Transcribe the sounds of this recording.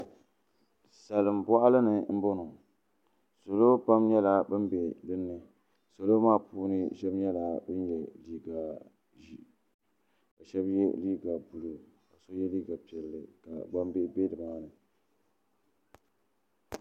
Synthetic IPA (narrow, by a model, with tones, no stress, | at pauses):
sa˨lɨ˨mbɔ˦ʔa˦lɨ˦nɨ˨m̩˦bo˦nʊ˨ | so˨lo˦pa˦mɲɛ˦la˨bɨ˦mbe˨dɨ˦nːɨ˨ | so˨lo˦maː˦puː˦nɨ˦ʃɛ˦bɲɛ˦la˨bɨ˦njɛ˨liː˦ɡa˨ | ʒi˨ | ka˨ʃɛ˦bjɛ̰˦liː˦ɡa˨bu˨lu˨ | ka˨so˦jɛ˦liː˦ɡa˨pi˨ɛ˨lːɨ˨ka̰˨ba˦mbe˦be˦dɨ˨maː˦nɨ˨